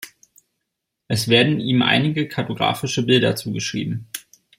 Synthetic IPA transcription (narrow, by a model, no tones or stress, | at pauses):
ʔɛsv̥eːɐdn̩ʔiːmʔa̰ɪnɪɡəkʰatoɡʁa̰ːfɪʃəbɪldɐt͡suːɡəʃʁ̥ḭːbm̩